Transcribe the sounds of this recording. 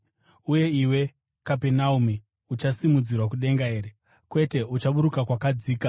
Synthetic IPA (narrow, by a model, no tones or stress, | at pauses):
uje̞iwe̞ | kapenaumi | ut͡ʃasimud͡zirwak̬uɗe̞ŋɡae̞ːɾe | kwe̞te̞ut͡ʃaɓuɾukakwakad͡ziːka